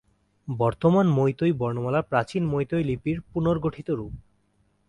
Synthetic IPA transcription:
bɔɾt̪omanmojt̪ojbɔɾnomalapɾat͡ɕinmojt̪ojlipiɾpunoɾɡoʈʰit̪oɾup̚

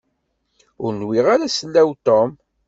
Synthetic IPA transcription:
ʊɾnwiʁaɾasəlːæwt̪om

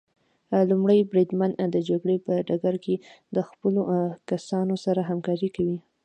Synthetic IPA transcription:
lumɽəjbɾid̪mand̪əd͡ʒaɡɽepəɖaɡaɾked̪əxpəlokasɑnosaɾaɦamkɑɾikawi

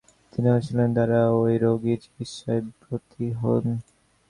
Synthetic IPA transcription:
t̪iniɦot͡ɕʰilend̪aɾaojɾoɡid͡ʑi̥kit̪ʃɔebɾot̪ʰiɦo̰n

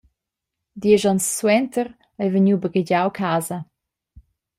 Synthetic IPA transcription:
d̪iɛʒɔnsːwɛnt̪ər | ɛjvəɲuːbəɡəɟawkʰaːzə

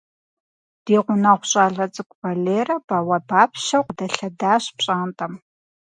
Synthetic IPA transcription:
d̥iːʁʷʊnɐʁʷʊɕʼaːɮɐt͡sʼɨkʷʼvɐɮeːrɐbɐwɐbaːpʰʃɐwqdɐɬɐdaːɕpɕʼaːntʼɐm

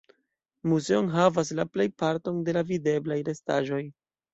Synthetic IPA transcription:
muze̞onɦavas̬laple̞jpaɾto̞nde̞lavide̞blajɾe̞sta̰ʒo̞j

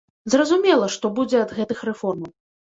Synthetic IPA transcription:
zrɐzumʲɛlˠɐʂt̪ɔbud͡zʲɛɐd̪ɣɛt̪ɨxrɛfɔrmɐw

